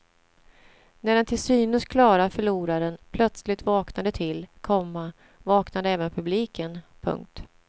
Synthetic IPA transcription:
næɖɛnt̪ʰɪlsyːnɵskʰlɑːɾafœɭuːɾaɾɛnpʰlœt̪slɪt̪vɑːknad̪ət̪ʰɪlkʰɔmːa | vɑːknad̪əɛːvənpʰɵbliːkənpʰɵ̰ŋk̚t̪

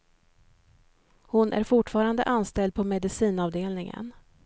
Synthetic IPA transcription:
hʊnʔæ̰ɾfʊʈfɑːɾand̪ə̰ʔanst̪ɛld̪̚pʰɔmɛd̪ɪsiːnɑːvd̪eːlnɪŋə̰n

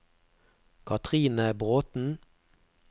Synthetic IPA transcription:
kʰɑt̪ʰʁiːnəbʁoːt̪n̩

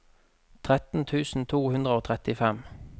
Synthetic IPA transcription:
t̪ʰʁɛt̪n̩t̪ʰʉːsn̩t̪ʰuːhʉnd̪ʁəoːt̪ʰʁɛt̪ɪfɛm

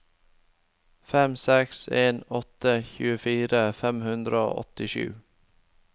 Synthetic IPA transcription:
fɛmsɛkseːnɔt̪əçʉːəfiːɾəfɛmhʉnd̪ɾəo̰ːʔɔ̰t̪ɪʃʉ̰ː

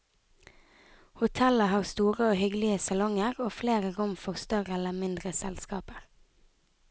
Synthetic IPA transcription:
hʊt̪ʰɛləhɑːʁst̪uːʁəoːhʏɡlɪəsɑlɔŋəʁoːfleːʁəʁʊmfɔʁst̪œʁəɛləmɪnd̪ʁəsɛ̰lskɑ̰ːpəʁ

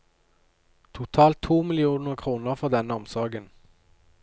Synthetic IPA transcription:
t̪ʰʊt̪ʰɑːlt̪ʰːuːmɪlɪuːnəʁkʰʁuːnəʁfɔʁd̪ɛnəɔmsɔɡən

